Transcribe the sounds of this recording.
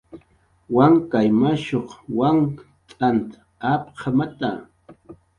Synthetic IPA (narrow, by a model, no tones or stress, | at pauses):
waŋkajmaʃoχwaŋ | t̪ʼant̪ | apqʰamat̪a̰